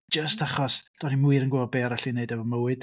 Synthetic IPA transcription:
d͡ʒəstʰaχɔsd̥ɔnimʊɨɾənɡɛɔbeːɾaɬineɨdɛvɔməwɨd̥

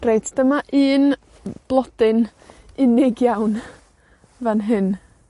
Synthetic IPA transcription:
rejdd̥əmaʔɨːn | b̥lˠɔd̥ɪn | ɪnɪɡjawn | vanɦɨn

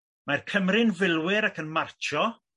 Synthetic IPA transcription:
markʰəmrɪnvɪlˠwɪɾakənmart͡ʃʰɔ

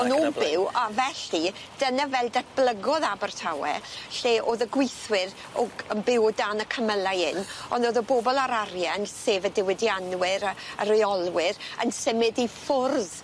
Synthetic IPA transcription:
ɔnɔbɪwavɛɬid̥ənavɛlˠdɛtb̥lˠəɡɔðabərtʰawɛ̰ɬeːʔoːðəɡwɪjθwɪɾ | ɔɡəmbɪwɔdanəkʰəməlˠajɪnɔndoːðəboːbɔlˠaɾaɾjɛnseːvədɪwɪdjanwɪɾəɾɪjɔlˠwɪɾə̰nsɪmɪdifʊrð

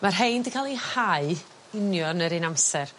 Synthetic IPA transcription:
marɦejndəkʰalˠihaɨ | ɪnjɔnəɾɨnamsɛr

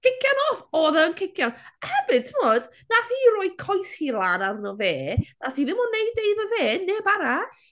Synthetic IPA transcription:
kʰɪkʰjanɔːfɔːðɛənkʰɪkʰjanhɛbɪntʰɪmoːd̥ | naθiːɾɔɨkʰɔjshiːlˠaːnarnɔveːnaθiːðɪmɔnejdeɨðəveːneːbaɾaɬ

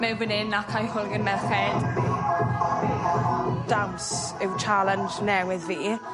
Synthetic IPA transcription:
mɛbɪnɪnakʰajhʊlˠɡənmɛrfɛd̥ | d̥awns | ɪwt͡ʃʰalənd͡ʒnɛwɪðviː

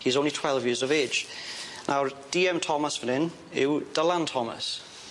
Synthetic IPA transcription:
hizõʊ̃nlitʰw̥ɛlˠvjɪəzəve̥ːd͡ʒnʔaʊd̥iːɛ̃mtʰɔməsfənɪ̃n | ɪ̰wd̥əlãntʰɔmə̰s

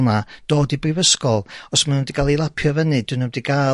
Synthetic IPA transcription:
nad̥oːdibrɪvəskɔlˠɔsmanəmdiɡalˠilˠapʰjɔvənɨd̥wɨnəmdiɡa

